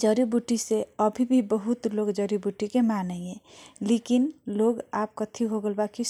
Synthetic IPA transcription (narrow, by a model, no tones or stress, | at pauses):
d͡ʒəɾibuʈiseəbʱibʱibəɦut̪loɡd͡ʒəɾibuʈikemanəẽleːkinloɡaːp̚kət̪ʰiɦoɡəlbaki